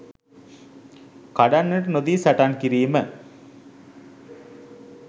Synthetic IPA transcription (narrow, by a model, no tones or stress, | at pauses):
kaɖanːeʈnod̪iːsaʈankiɾiːmə